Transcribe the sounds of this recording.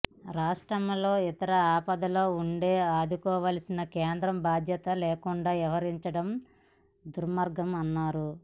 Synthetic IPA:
ɾaːʂʈɾɐmlo̞ːit̪ɐɾɐaːpɐd̪ɐloːuɳɖe̞ːaːd̪ukɔːʋaːlɐsinɐkeːnd̪ɾɐmbaːd̪ʱjɐt̪ɐleːkuɳɖaːʋɐʋɐɾiɲt͡ʃɐɽɐm | d̪uɾmɐɾɡɐmɐnːaːɾu

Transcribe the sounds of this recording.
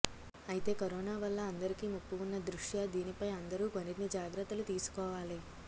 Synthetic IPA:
ɐjit̪e̞ːkɐɾɔːnaːʋɐlːɐːnd̪ɐɾikimupːuunːɐd̪ɾuʂjad̪iːnipɐjɐnd̪ɐɾuːkoniɾnid͡ʒaːɡɾɐt̪ːɐlut̪iːsu̥kɔːʋaːli

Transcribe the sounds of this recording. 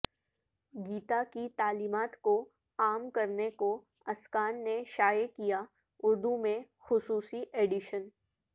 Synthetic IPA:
ɡiːt̪akit̪aːliːmaːt̪ko | aːmkɐɾneko | ɐskaːnːeʃaːjəkija | ʊɾd̪umẽ | xʊsuːsiʔeːɖɪʃən

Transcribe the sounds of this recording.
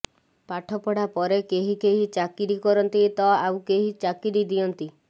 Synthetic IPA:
paʈʰɔpɔɽapɔɾekeɦikeɦit͡ʃakiɾikɔɾɔnt̪it̪ɔawkeɦit͡ʃakiɾid̪iɔnt̪i

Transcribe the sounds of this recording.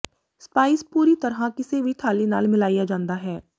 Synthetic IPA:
spaːɪspuːɾit̪ɐɾɦakɪsebʱiʈ̪ʰaːlina̰ːlmɪlaːijad͡ʒãːnd̪aɦɛː

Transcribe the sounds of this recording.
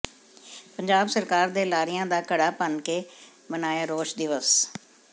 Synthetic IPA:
pəɲd͡ʒaːbsəɾkaːɾd̪eːlaːɾɪjãːd̪aːkəɽaːpənkeː | mənaːjaːɾoːʃd̪ɪʋəs

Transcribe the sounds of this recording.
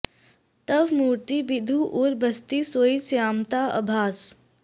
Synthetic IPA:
t̪ɐʋmuːɾt̪ibɪd̪ʱuʔʊɾbʱɐst̪isoːisjaːmt̪aɐ̰bʱaːs

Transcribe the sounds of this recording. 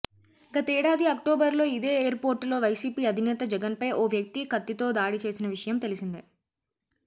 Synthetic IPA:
ɡɐt̪ɐɛːɽaːd̪iɐkʈoːbɐɾlo̞ːid̪e̞ːeːɐɾpo̞ːɾʈlo̞ːʋɐjsiːpiːɐd̪ʱinɛːt̪ɐd͡ʒɛɡɐnpɐjʔoːʋjɐk̚t̪ikɐt̪ːit̪o̞ːd̪aːɽit͡ʃe̞ːsinɐʋiʂɐjɐmt̪e̞lisind̪i

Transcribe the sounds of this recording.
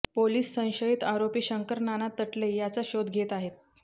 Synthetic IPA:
poliːsːə̃w̃ɕəit̪aɾopiːɕəŋkəɾnanat̪ːəʈlejat͡saɕod̪ɡʱet̪aɦet̪̚

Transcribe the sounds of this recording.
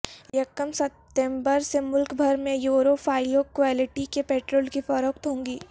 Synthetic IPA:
jɐkəmsɐp̚ʈ̪ẽmbəɾsemʊlkbʱɐɾmẽjoːɾoːfʰaːɪjoːkʋaːlɪʈikepeːʈɾoːlkifɐɾoːk̚t̪ɦõːŋɡiː

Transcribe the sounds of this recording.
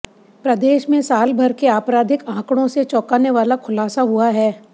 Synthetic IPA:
pɾɐd̪eːʃmẽsaːlbʱɐɾkeaːpɾaːd̪ʱɪkãːkɽ̃õset͡ʃɔːkaːneʋaːlakʰʊlaːsaɦuaɦɛː

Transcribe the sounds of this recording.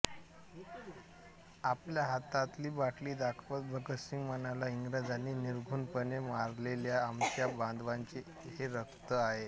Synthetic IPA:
apljaɦat̪at̪liːbaʈliːd̪akʰʋət̪̚bəkəsiŋɡmənalaiŋɡɾad͡zaniːniɾɡʱuːnpənemaɾleljaːmt͡ɕjaband̪ʋaɲt͡ɕe | ɦeɾəkʰt̪əaɦe

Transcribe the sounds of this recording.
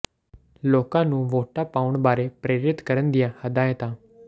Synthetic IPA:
loːkãnũːʋoːʈapaːʋʊɳbaːɾepɾeːɾɪt̪kəɾənd̪ɪjãhəd̪aːɦẽt̪aː

